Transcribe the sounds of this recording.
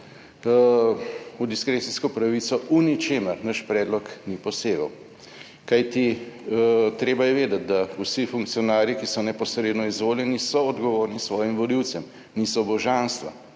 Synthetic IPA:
ud̪iskɾet̪iskɔpɾaʋit̪sɔʔunit͡ʃeːməɾnəʃpɾɛːd̪lɔknipɔseːɡəw | kajt̪i | t̪ɾeːbajɛʋeːd̪ɐt̪̚d̪ausifuŋk̚t̪sijɔnaːɾjikisɔnɛpɔsɾeːd̪nɔizʋoːljɛnisɔɔd̪ɡɔʋoːɾnisʋɔːjimʋɔliw̪sɛm | nisɔbɔʒanst̪ʋa̰

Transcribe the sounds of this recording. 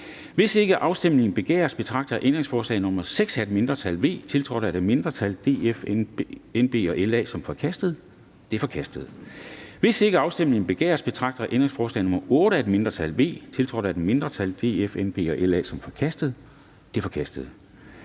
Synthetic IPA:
ʋe̝se̝ɡ̥əʔɑ̈ʊsd̥em̰le̝ŋn̩b̥e̝ɡ̥ɛ̰ːɐsb̥e̝t͡sʰʁɑ̈ɡ̥̚d̥ɐʔend̥ʁẽŋsfɒːslɛ̰ɪnɔ̽mɐðˠseɡ̥sæd̥me̝nd̥ʁɐt͡sʰælʋe̝̰ːt͡sʰe̝lt͡sʰʁɒ̰ɾæd̥eme̝nd̥ʁɐt͡sʰæld̥e̝ːf | enb̥e̝̰ːɒ̽ʔelɛ̰ːsɒ̽mfɒ̽kʰæsd̥əð̞̩ˠ | d̥e̝fɒ̽kʰæsd̥əð̩ˠʋe̝se̝ɡ̥əɑ̈ʊsd̥emle̝ŋn̩b̥e̝ɡ̥ḛːɐsb̥e̝t͡sʰʁɑ̈ɡ̥̚d̥ɐʔend̥ʁe̝ŋsfɒːslɛ̰ːnɔ̽mɐʔɔ̽ːɾəæd̥me̝nd̥ʁɐt͡sʰælʋe̝̰ːt͡sʰe̝lt͡sʰʁɒ̰ːdɾaæd̥eme̝nd̥ʁɐt͡sʰæld̥e̝̰ːefenb̥e̝̰ːɒ̽ʔelɛ̰ːsɒ̽mfɒ̽kʰæsd̥əð̩ˠ | d̥efɒ̽kʰæsd̥əð̩ˠ

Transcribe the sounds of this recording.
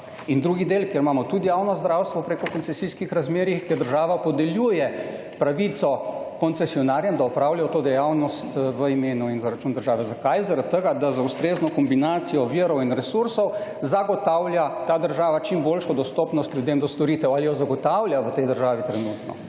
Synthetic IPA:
ind̪ɾuɡid̪eːlkjeɾmaːmɔt̪ud̪ijaːwnɔzd̪ɾawst̪ʋɔpɾeːkɔkɔnsɛsiskixɾazmeːɾixkjeɾd̪əɾʒaːʋapɔd̪ɛljuːjɛ | pɾaʋit̪sɔkɔnt̪sɛsiɔnaːɾjɛmd̪aɔpɾawljajɔt̪oːd̪ɛjawnɔst̪ʋəimeːnuinzaɾat͡ʃuːnd̪əɾʒaːʋɛzakajzaɾat̪̚tːəɡad̪azaust̪ɾeːznɔkɔmbinaːt̪sijɔʋiːɾɔwinɾɛsuɾsɔwzaɡɔt̪aːwlʲjat̪aːd̪əɾʒaːʋat͡ʃimboːlʃɔd̪ɔst̪ɔːpnɔst̪lʲjud̪emd̪ɔst̪ɔɾiːt̪ɛwalijɔzaɡɔt̪awlʲjaʋət̪ɛjd̪əɾʒaːʋit̪ɾɛnuːt̪nɔ̰

